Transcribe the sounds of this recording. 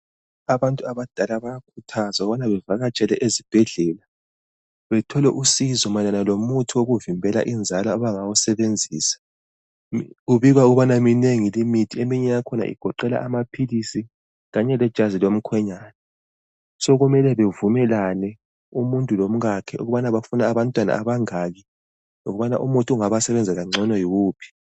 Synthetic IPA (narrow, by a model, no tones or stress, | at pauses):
aβantʼuaβad̥ʱalaβajakʰutʰazauɣuβanaβɛvaɣat͡ʃʼɛlɛʔezib̥ʱɛɮɛːla | βɛtʰɔlɛʔusizɔmananalomutʰioɣuvimbʱɛla̰ʔind͡zʱalɔaβaŋawɔsɛβend͡zʱiːsḁ | ɣuβiɣwauɣuβanamineŋilimitʰiemiɲɛjakʰɔna̰ʔḭɡ̥ʱɔǃɛla̰ʔamapʰilisi | ɣaɲɛlɛd̥ʒ̥ʱazilom̩kʰwɛɲaːnɛ | sɔɣumɛlɛβevumɛlanɛ | umuntʼulom̩ɣakʰɛṵɣuβanaβafunaːβantʼwana̰aβaŋaːɣi | oɣuβana̰ʔumutʼuuŋaβasɛβɛnd͡zʱɛɣaŋ͡ǀʱɔnɔjiɣuːpʰi̥